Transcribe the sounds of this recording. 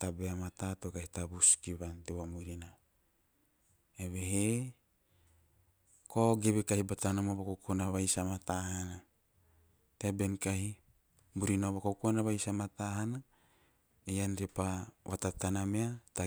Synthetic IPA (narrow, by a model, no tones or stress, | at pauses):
tabeamat̪atokahitabuskiβanteβamuɾina | eβeɦe | koɡeβekahibatanamoβakokonaβajsamatahana | tebe̞nkahi | muɾinoβakokonaβajsamataɦana | ejanɾepaβatatanameata